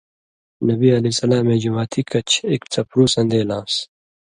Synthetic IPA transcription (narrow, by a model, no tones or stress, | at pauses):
nɐbiɐlisɐlaːmẽːd͡ʑumaːt̪ʰikʰɐt͡ɕʰeːkt͡sʰɐpɾuːsɐ̃nd̪eːlaːs